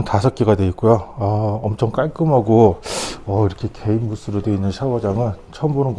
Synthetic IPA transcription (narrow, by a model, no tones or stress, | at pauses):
ntasʰʌk͈iɡadwe̞ik͈ojoʌʌmt͡ɕʰʌŋk͈aɭk͈ɯmɦaɡo | ʌiɾʌkʰe̞kʰe̞imːus͈ɯɾodwe̞inːɯnɕʰawʌd͡ʑaŋɯnt͡ɕʰʌmbonɯnk